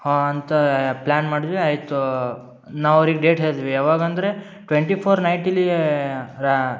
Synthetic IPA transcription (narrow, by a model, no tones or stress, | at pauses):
haɐnt̪ɐplʲaːnmaːɽid̪ʋiaːjt̪u | naːʋɐʋɾiɡeɖeːʈɦeːɾd̪iʋiaːʋaːɡɐnd̪ɐɾe̞ | ʈʋeɳʈipʰoːɾnɐjʈili